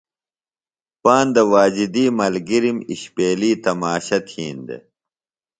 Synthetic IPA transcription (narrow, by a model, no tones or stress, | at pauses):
paːnd̪ɐwaːd͡ʑid̪iːmɐlɡiɾimiɕpeːliːt̪ɐmaːɕɐt̪ʰiːnd̪ḛ